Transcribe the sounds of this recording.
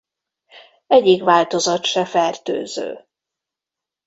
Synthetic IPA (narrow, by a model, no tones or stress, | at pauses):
ɛɟːikʋaːlt̪o̞zɒt̪ʃɛfɛrt̪ø̰ːzø̰ː